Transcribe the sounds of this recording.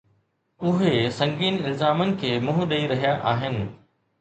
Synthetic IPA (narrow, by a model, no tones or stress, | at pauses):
ʊɦesɐ̃ŋɡiːnɪlzaːmənɪ̆kʰeːmʊ̃ɦʊɗɐiɾɐɦijaʔaːɦɪnɪ̆